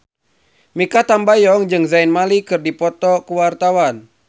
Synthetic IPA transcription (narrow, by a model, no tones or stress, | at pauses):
mikat̪ambajɔŋd͡ʒɨŋzainmalikɨrdipɔt̪ɔkuwart̪awan